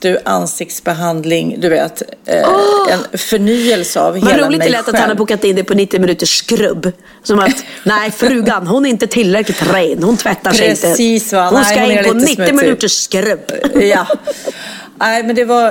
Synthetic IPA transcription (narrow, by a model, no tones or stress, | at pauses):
d̪̥ɵʔa̰nsɪk̚t̪sbɛɦand̪lɪŋd̪ɵveːt̪ː | ɛnfœɳyːɛlsəa̰vhmɛɾuːlɪɪlɛt̪ːat̪hanhaɾbuːkat̪ɪnd̪ɛpʰɔnɪt̪ːɪmɪnʉ̟t̪əʂkɾɵ̰bː | sɔmat̪ | nɛɪfɾʉ̟ːɡanɦʊnɛɾɪnt̪ət̪ʰɪlːɾɛklɪt̪ɾɛjnhʊnt̪ʰvɛt̪ːaʂɾɛɪnt̪əiːsahʊnskaɪnoːnɪt̪ːɪmɪnʉ̟ːt̪əʂkɾɵbja | æɪmɛnd̪ɛva